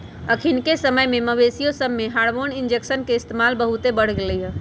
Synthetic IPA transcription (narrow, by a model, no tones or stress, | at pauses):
əkʰinkesəməjmeməbesijosəbːeɦaɽʋonind͡ʒeksənkeɪst̪emalbəɦut̪ebəɽ̤ɡeləjə